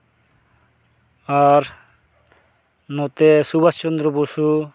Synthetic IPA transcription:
aɾ | nɔt̪esubast͡ʃɔnd̪ɾɔbosu

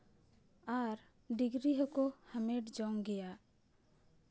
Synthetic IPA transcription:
aɾ | ɖiɡɾiɦəkohəmeʈd͡ʒɔŋɡɛja

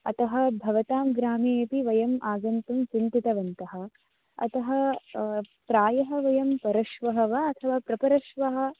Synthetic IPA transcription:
ɐ̰t̪ɐɦɐ̆bʱɐʋɐt̪aːmɡɾaːmeeːpiʋɐjɐmʔaːɡɐnt̪umt͡ʃint̪it̪ɐʋɐnt̪ɐɦɐ̆ | ɐ̰t̪ɐɦɐ | pɾaːjɐɦɐʋɐjɐmpɐɾɐʃʋɐɦɐʋɐɐt̪ʰɐʋaːpɾɐpɐɾɐʃʋɐɦɐ̆

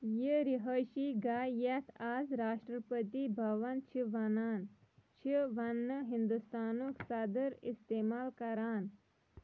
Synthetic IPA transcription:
jiɾiɦɐʃiɡaːjet̪ʰaːzɾaːʃʈɾəpət̪ibʱɐʋɐnt͡ʃʰiʋɐnaːn | t͡ʃʰiʋɐnːɨɦind̪ust̪aːnuksɐd̪əɾist̪eːmaːlkɐɾaːn

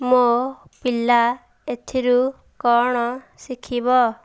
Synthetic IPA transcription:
mopila | et̪ʰiɾu | kɔɽ̃ɔ | sikʰibɔ

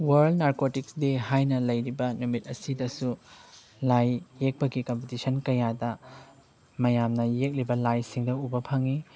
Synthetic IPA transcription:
wɐɾldnaɾkotiksdehajnɐlɐjɾibɐnumit̚ɐsidɐsu | lajːek̚pɐɡikompitisɐnkɐjadɐ | mɐjamnɐjek̚libɐlajsiŋdɐubɐpʰaŋi

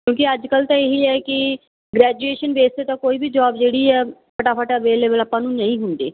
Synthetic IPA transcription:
kjõːkɪəd͡ʒkəlt̪ãːeːɦiːɛːkɪ | ɡɾɛːd͡ʒueːʃənbeːst̪eːt̪ãːkoːiːbiːd͡ʒɔːbd͡ʒeːɽiːɛːpʰəʈaːpʰəʈaəʋeːleːbəlaːpːãːnũːnəĩːɦʊnd̪ḛː

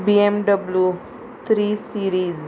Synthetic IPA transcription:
biemɖəblju | t̪ʰɾisiɾiːz

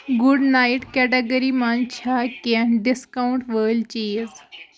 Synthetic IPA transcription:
ɡuɖnaiʈkɛʈeɡəɾimant͡ɕʰakɛɳɖiskawuɳʈʋəlt͡ɕez

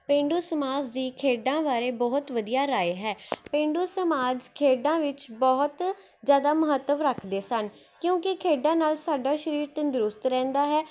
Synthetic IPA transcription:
pẽːɳɖuːsəmaːd͡ʒd̪iːkʰeːɖãːʋaːɾeːbɔːɦt̪ʋəd̪ijaːɾaːeɦɛːpẽːɳɖuːsəmaːd͡ʒkʰeːɖãːʋɪt͡ʃbɔːɦt̪ | zjaːd̪aːməɦət̪ːəʋɾəkʰd̪eːsən | kjõːkekʰeːɖãːnaːlsaːɖaːʃəɾiːɾt̪ənd̪ʊɾʊst̪ɾɛ̃ːnd̪aːɦɛː

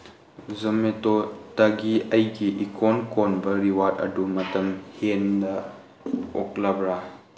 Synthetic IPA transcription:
zɐmetotɐɡiɐjɡiʔikonkonbɐɾiwat̚ɐ̰dumɐtɐmhendɐ | ɔk̚labɾa

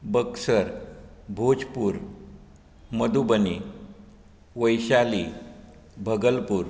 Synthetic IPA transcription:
bəksəɾbʱod͡zpuːɾ | məd̪ubəni | ʋəjɕali | bʱəɡəlpuːɾ

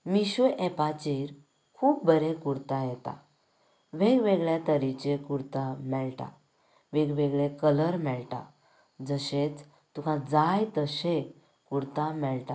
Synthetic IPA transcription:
miɕuʔɛpat͡ɕiɾ | kʰuːp̚bəɾẽkuɽt̪ãjɛt̪a̰ | ʋeɡʋeɡɭjat̪əɾit͡ɕekuɾt̪amɛɭʈa̰ | ʋeɡʋeɡɭekələɾmɛɭʈa̰ | d͡zəɕet͡s | t̪ũkʰãd͡zajt̪əɕe | kuɽt̪amɛɭʈa

